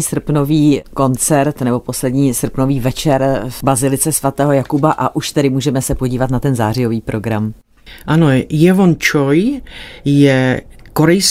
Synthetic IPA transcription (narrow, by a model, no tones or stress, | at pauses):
iːsr̩pno̞viːko̞nt͡sɛɾt̪nɛbo̞po̞slɛdɲiːsr̩pno̞viːvɛt͡ʃɛɾbazɪlɪt͡sɛsvat̪ɛːɦo̞jakubaʔaʔuʃt̪ɛɾɪmuːʒɛmɛsɛpo̞ɟiːvat̪nat̪ɛnzaːrɪjo̞viːpɾo̞ɡɾam | ʔanojɛvont͡ʃoj | jɛkoɾɛjs